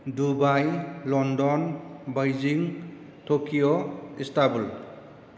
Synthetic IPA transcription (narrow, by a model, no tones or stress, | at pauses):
dubajlɔndɔnbajd͡ʒiŋ | tʰokioistabul